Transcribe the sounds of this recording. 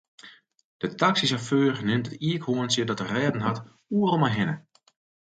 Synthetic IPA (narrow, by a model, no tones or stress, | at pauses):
d̥ətaksisaføːrnɪntətiəkhoənsjədɔtərɛːdn̩ɦat | uərlˠmajɦɪnə